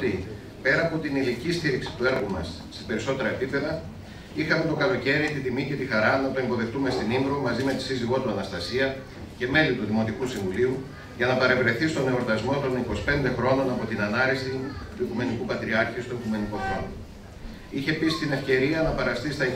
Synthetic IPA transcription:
t̪i | pe̞ɾɐːpo̞t̪inilicist̪iɾiksi̥t̪ue̞ɾɣumɐsːe̥pe̞ɾiso̞t̪e̞ɾɐepipe̞ðɐ | ixɐme̞t̪okɐloce̞ɾit̪it̪imice̞t̪ixɐɾɐnɐt̪o̞e̞mbo̞ðekt̪ume̞st̪inimdɾomɐzime̞t̪isiziɣo̞t̪uɐnɐst̪ɐsiɐ | ce̞me̞lit̪uðimo̞t̪ikusiɱvuliu | ʝɐnɐpɐɾe̞vɾe̞θist̪o̞ne̞oɾt̪ɐzmo̞t̪o̞niko̞si̥pe̞nd̪e̞xɾo̞no̞nɐpo̞t̪inɐnɐɾisit̪uikume̞nikupɐt̪ɾiɐɾçist̪o̞ikume̞nikoθo̰n | içe̞pisi̥t̪ine̞fce̞ɾiɐnɐpɐɾɐst̪ist̪ɐi

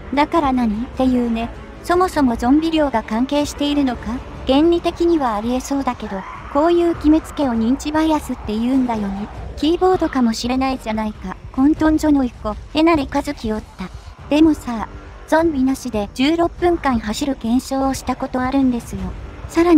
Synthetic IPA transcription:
d̪akaɾanaɲ̟it̪ːe̞jɯ̟ːne̞ | so̞mo̞so̞mo̞zõ̞mbʲiɾʲo̞ːɡakãŋke̞ːɕi̥t̪e̞iɾɯ̟no̞ka | ɡ̥ẽ̞ɲɾʲit̪e̞kʲiɲ̟iβaːɾʲieso̞ːd̪ake̞d̪o̞ | ko̞ːjɯ̟ːɡʲimɯt͡sɨ̥ke̞o̞ɲ̟ĩɲ̟t͡ɕibaiasɨt̪ːe̞jɯ̟ːnd̪ajo̞ɲ̟ikʲiːbo̞ːd̪o̞kamo̞ɕiɾe̞naid͡ʑanaikakõ̞nt̪õ̞ɲd͡ʑo̞no̞iko̞e̞naɾikazɨkʲio̞t̪ːad̪̥e̞mo̞sa | z̥õ̞mbʲinaɕid̪e̞d͡ʑɨːɾo̞pːɯ̟̃ŋkãɰ̃ɦaɕiɾɯ̟ɡẽ̞ɰ̃ɕo̞ːɕi̥t̪ako̞t̪o̞aɾɯ̟̃nd̪e̞sɨjo̞saɾaɲ

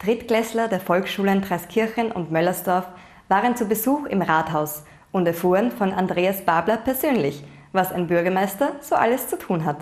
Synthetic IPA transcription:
d̥ʁɪtɡ̥lɛslɐdeːɐfɔlksʃuːləntʁ̥ɛskʰɪɐçən̩ʔʊ̰ntmœlɐsd̥ɔɐf | v̥aːʁənt͡subəzuːxɪmʁaːthaʊs | ʊntɛɐfuːʁənfɔnʔa̰ndʁeːasb̥aɐblɐpʰɛɐzøːnlɪç | vasa̰ɪnbʏɐɡɐmaɪstɐz̥oːʔaləst͡sutʰuːnɦat

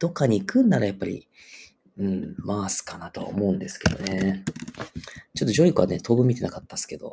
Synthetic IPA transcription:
d̪̥o̞kːaɲ̟iːkɯ̟̃nd̪aɾajapːaɾʲḭ | ɯ̟̃ɴmaːsɨ̥kanat̪o̞a̰o̰mo̞ɯ̟̃nd̪e̞sɨ̥ke̞d̪o̞ne̞ | t͡ɕo̞t̪ːoʑo̞ːɾikɯa̰net̪ʰo̞ːbɯ̟mʲit̪e̞nakat̪ːasɨ̥ke̞d̪o̞

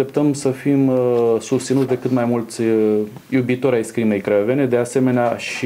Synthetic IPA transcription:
e̞pt̪əmsəfimsust̪sinut̪sʲd̪e̞kɨt̪majmult̪sʲ | jubit̪o̞ɾʲajskɾime̞jkɾeve̞ne̞d̪e̞ase̞me̞neaʃi

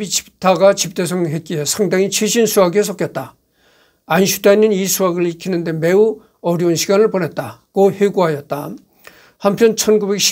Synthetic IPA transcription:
bit͡ɕi̥p̚tʰaɡat͡ɕip̚t͈e̞sʰʌŋɦe̞t̚k͈iɦesʰaŋdaŋit͡ɕʰeɕʰinsʰuaɡies̬ʰʌk͈jʌt̚t͈a | anɕʰut͈ainːɯnisʰuaɡɯɭikʰinɯnde̞me̞u | ʌɾjunɕʰiɡanɯɭponet̚t͈akoheɡuɦajʌt̚t͈a | hampʰjʌnt͡ɕʰʌnɡube̞k̚ɕʰ

